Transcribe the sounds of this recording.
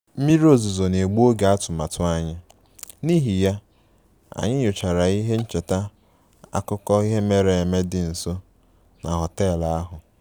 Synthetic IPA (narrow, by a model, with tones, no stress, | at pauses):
m̩˦mi˦ɾi˦o˦zu˨zo˨ne˨ɡ͡bu˦o˦ɡe˨a˦tʊ˨ma˨tʊ˦a˨ɲɪ˦ | ni˦ɦi˨ja˦ | a̰˨ɲɪ˦ɲʊ˨t͡ʃa˨ɾa˨i˦ɦe˦n̩˦t͡ʃe˨ta˦ | a̰˨kʊ˦kɔ˦i˦ɦe˦me˨ɾe˨e˨me˦dɪ˨n̩˨so˦ | na̰˨ɦɔ˨teː˦˨la˨a˦ɦʊ˨